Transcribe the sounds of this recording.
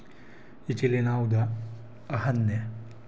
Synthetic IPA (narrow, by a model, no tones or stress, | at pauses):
it͡ʃilenaːwud̪ɐː | ɦɐnːe